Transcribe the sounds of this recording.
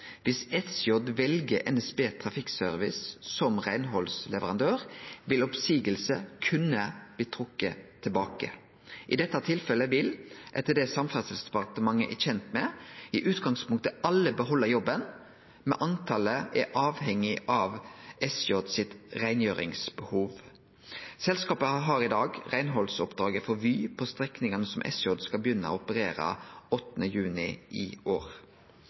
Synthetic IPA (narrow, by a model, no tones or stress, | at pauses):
ʋɪsɛsjɔd̪ʋɛlɡəʔɛ̰nɛsbeːt̪ʰʁɑfɪksøːɾʋɪssɔmʁæɪnɦɔlslɛʋəʁɑnd̪øːʁʋɪlɔpsiːɡəlsəkʰʉnəb̥̪iːt̪ʰɾʊkːət̪ʰɪlbɑːkə̰ | ʔɪd̪ɛt̪ːɑt̪ʰɪlfɛləʋɪlʔɛt̪ːəd̪ɛsɑmfæsəlsd̪ɛpɑt̪əmɑŋːəʔɛçɛnt̪mɛɪʔʉːt̪ɡɑŋspʰʊŋkt̪əɑlːəbəɦɔlːəɾjɔbːən | mɛʔɑnt̪ʰɑləɛʔɑːʋhɛŋɪʔɑʋɛsjɔd̪sɪt̪ʁæɪnjøːɾɪ̰ŋsbəhuːʋ | sɛlskɑːpəɦɑɾɪd̪ɑːɡʁæɪnɦɔlsɔpd̪ɾɑːɡəfɔɾʋyːpʰɔst̪ɾɛknɪŋɑnəsɔmʔɛ̰sjɔd̪skɑbəjʏnːəo̰ʊpəɾeːɾə̰ɔt̪ːnəjʉːnɪ̰ʔɪ̰oːɾ